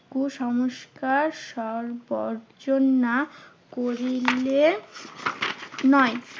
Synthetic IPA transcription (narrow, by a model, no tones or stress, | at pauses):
kuʃɔmoʃkaɾʃɔɾbɔɾd͡ʑonːa | koɾille | nɔe